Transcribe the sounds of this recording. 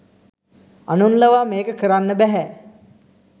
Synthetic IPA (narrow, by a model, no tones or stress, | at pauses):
anunləʋaːmeːkəkəɾanːəbɛɦɛ